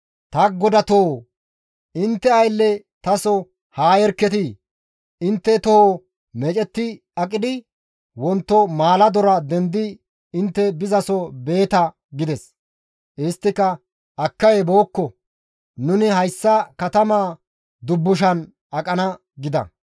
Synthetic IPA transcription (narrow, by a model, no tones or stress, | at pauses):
t̪ɐɡɔd̪ɐt̪oo | ɪnt̪ːɛɐjlːɛ | t̪ɐsɔ | haːjɛɾkːɛt̪ɪ | ɪnt̪ːɛt̪ɔho | mɛt͡ʃʼɛt̪ːɪ | ɐkʼɪd̪ɪ | wɔnt̪ːɔmaːlɐd̪ɔɾɐd̪ɛnd̪ɪ | ɪnt̪ːɛbɪzɐsɔbe̞ːt̪ɐ | ɡɪd̪ɛs | ɪst̪ːɪkːɐ | ɐkːɐjɛbo̞ːkːɔ | nʊnɪɦɐjsːɐkɐt̪ɐmaː | d̪ʊbːʊʃ̬ɐn | ɐkʼɐnɐ | ɡɪd̪ɐ̰